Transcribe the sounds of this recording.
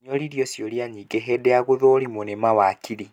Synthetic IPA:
ɲoliɾjosjoljaɲiːɡeɦɛdɛaɣuðoːɾimonemawakʰiɾi

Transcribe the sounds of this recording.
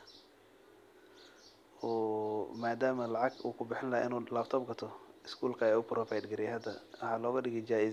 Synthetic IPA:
ɔːmaːd̪aːmɐlɑʕɑɡṵːkʰʊbɪħɪnlɐ̰ʔɪnuːlaːbt̪ʰɔːbɡɐt̪ʰɔɪskʰuːlkʰɐɛʊpɾɔfajd̪ɡɪɾɪjɦɐd̪ɐħaːlɔːɣɐɖɪɣɛjd͡ʒaːɪ

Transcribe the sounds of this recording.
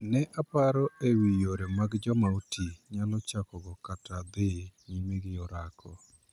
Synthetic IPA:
nɛʔapaɾɔewijoɾemaɡd͡ʒɔmaotiɲalɔt͡ʃakɔɡɔkatʰad̪eɲimeɡɪjɔɾakʰɔ

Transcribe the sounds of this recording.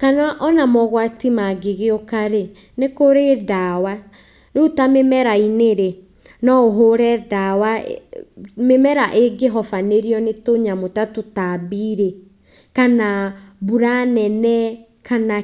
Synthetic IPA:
kanaʔɔnamɔɣwatimaɡeɣeokaɾe | nekoɾedawa | ɾotamemɛɾaineɾe | nɔoɦoɾɛdawa | memɛɾaʔeɡeɦɔfaneɾiɔnetoɲamotatotabiɾe | kanabuɾanɛnɛ | kʰana

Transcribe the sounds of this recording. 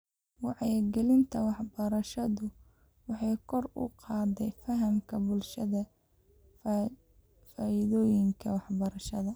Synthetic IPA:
wɑʕɛjɡɛlɪnt̪ʰɐwɑħbɐɾɐʃɐðʊ | wɑħɑjkʰɔrʊ̰qɑːðɛjfɐɦɐmkʰɐbʊlʃɐðɐ | faːɪðɔːjɪŋkʰɐwɑħbɐɾɐʃɐðɐ

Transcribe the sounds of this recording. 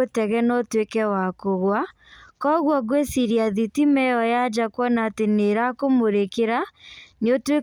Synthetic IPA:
otɛɣɛnɔtwekɛwakoɣwa | kɔɣwɔɣwesiɾiaðitimɛjɔjad͡ʑakwɔnaːteneɾakomoɾekeɾanotwe

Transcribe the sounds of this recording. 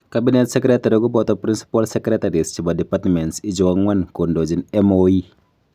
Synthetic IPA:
kabinɛt̪̚səkɾɛt̪aɾiɔɡupɔt̪ɔpɾinsi̥palsəkɾɛt̪aɾist͡ʃəbadɛpart̪əmɛnsid͡ʒɔwaŋwankundod͡ʒinɛmoi

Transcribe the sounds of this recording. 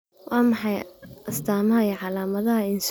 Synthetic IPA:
wɑːmɑħɑjʔɐst̪ʰaːmɐɦɐijɔʕɑlaːmɐðɐɦɐɪns

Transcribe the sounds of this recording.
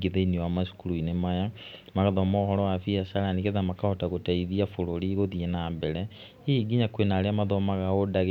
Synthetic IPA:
ɡeðeiniwamasu̥kuɾuinemajamaɣaðɔmɔhɔɾɔwafiasaɾaniɣeðamakahɔtaɣotaiðiafoɾoɾiɣoðienaːbɛɾɛ | iɡiɲakwenaːɾeamaðɔmaɣaodaɣ

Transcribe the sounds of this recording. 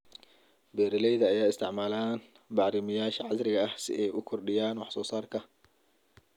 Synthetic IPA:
bɛːɾɪlɛjðɐːjaːɪst̪ʰɪʕmaːlaːn | bɑʕɾɪmɐjaːʃɐʕɑsɾɪɣɐɐhsɪ̰ʔɛjʔʊkʰɔrɖɪjaːnwɑħsɔːsaːrkʰɐ

